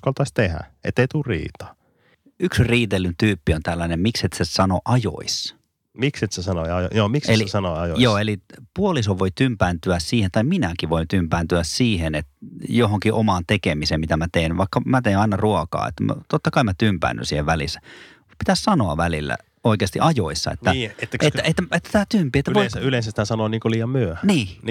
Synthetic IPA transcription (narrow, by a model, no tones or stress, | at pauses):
kɑlt̪ɑisʲt̪ehæ̰ḛt̪ːeit̪urrḭːt̪ɑ̥ | yksriːt̪elːynt̪yːpːiont̪ælːænemmikset̪sesɑno̰ʔɑjo̰is | mikset̪sesɑnoɑjo̰joːmikselisɑnoɑjojoːelipuolisoʋʋoit̪ympænt̪yæssiːhent̪ɑiminækiʋoint̪ympæːnt̪yæssiːhenet̪joɦoŋkiʔomɑnt̪ekemisemit̪æmæt̪einʋɑikːɑmæt̪einɑinɑruokɑ̰ːḛt̪ːæm̰t̪ot̪ːɑkɑimæt̪ympæ̰ːnːy̰siːheʋʋælḭsːæ̥ | pit̪æssɑnoɑ̰ʋælilːæ̰ | oˑikeɑst̪ḭʔɑjoisːɑ̰ḛt̪ːæiet̪ːæetːæet̪ːæet̪ːæt̪æːt̪ympiet̪ːæʋoisylẽˑsæshæsɑnoːniːŋkoliːjɑmmyøhæniːn